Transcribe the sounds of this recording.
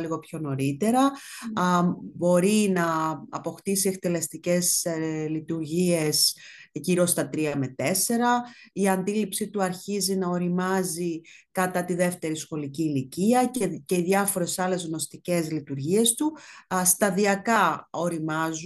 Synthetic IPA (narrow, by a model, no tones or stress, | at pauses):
liɣo̞pço̞no̞ɾit̪e̞ɾɐ | bo̞ɾinɐɐpo̞xt̪isie̞k̚t̪e̞le̞st̪ice̞slit̪uɾʝie̞s | ʝiɾo̞st̪ɐt̪ɾiɐme̞t̪e̞se̞ɾɐiɐnd̪ilipsit̪uɐɾçizinɐo̞ɾimɐzikɐt̪ɐt̪iðe̞ft̪e̞ɾisxo̞liciːliciɐce̞iðʝɐfo̞ɾe̞sɐle̞zɣno̞st̪ice̞zlit̪uɾʝie̞st̪ust̪ɐðiɐkɐo̞ɾimɐzu